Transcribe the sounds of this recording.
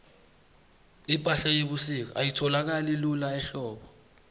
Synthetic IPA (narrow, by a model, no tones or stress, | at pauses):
ipʼaɬajeɓusik̬ɔ̰ʔa̰jitʰɔlak̬alilulaɛɬɔːɓɔ